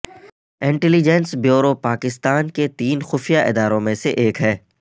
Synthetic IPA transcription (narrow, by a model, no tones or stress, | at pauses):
ɪ̃ɳʈɛlid͡ʒɛnsbjoːɾopaːkɪst̪aːnket̪iːnxʊfijaʔɪ̰d̪aːɾõmẽseʔeːkɦɛː